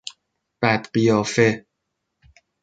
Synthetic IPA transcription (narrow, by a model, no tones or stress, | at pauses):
b̥æd̪̥ɢijɒːfe